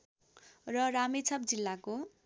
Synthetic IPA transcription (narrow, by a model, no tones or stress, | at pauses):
rʌramet͡sʰʌpd͡zilːako